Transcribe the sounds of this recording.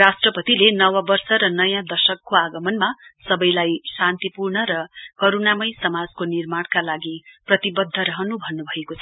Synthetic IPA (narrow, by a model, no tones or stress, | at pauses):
asʈrʌpʌt̪ilenʌwʌbʌrsʌɾʌnʌjãd̪ʌsʌkːoaɡʌmʌnmasʌbʌjlajsant̪ipurɳʌɾʌkʌɾunamʌjsʌmad͡zkonirmaɽkalaɡiprʌt̪ibʌd̪ʱːʌɾʌɦʌnubʱʌnːubʱʌekot͡sʰʌ